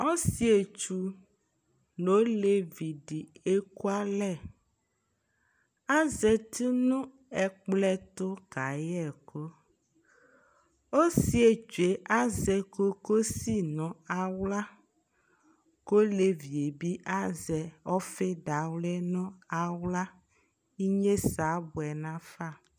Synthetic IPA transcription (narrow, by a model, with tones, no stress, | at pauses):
ɔ˦si˦e˨t͡ʃu˨ | no˨˦le˨vi˨ɖi˨e˦ku˦a˦lɛ˦˨ | a˦zɛ˨t̪i˦nũ˦ | ɛ˨k͡plɛ˦t̪o˦ka˨jɛ˦˨kʰo˦ | o˦si˦e˨d͡ʒe˨ʔa˦zɛ˨ko˦ko˦si˦nɔ̃˨a˨wla˦ | ko˦le˨vi˨e˨bi˦ʔa˦zɛ˨ɔ˦fe˦ɖa˨wlɛ˦nɔ̃˦a˨wla˦ | i˦ɲẽ˦sa˨˦bu˨ɛ˨nã˦fa˦˨